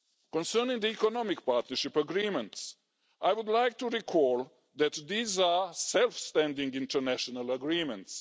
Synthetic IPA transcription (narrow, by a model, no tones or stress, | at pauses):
kɔ̃nsɜnɪ̃ŋd̪iikɔnɔmɪkpaɹt̪nəʃipəɡɾĩmə̃nts | ʔajwud̪lajk̚t̪uɹikʰɔlˠ | ðæt̪d̪iːzasɛlfst̪æ̃ndĩŋɡɪ̃ntə˞næʃɔnaləɡɹĩmɛ̃nts